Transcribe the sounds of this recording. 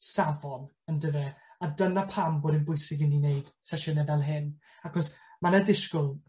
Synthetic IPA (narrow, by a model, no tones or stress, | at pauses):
savɔn | əndəvɛadənapʰamvɔːdɪnbʊɨsɪɡɪnineɨd̥sɛʃənɛvɛlˠɦɪn | akʰɔsmanədɪʃkʊlˠ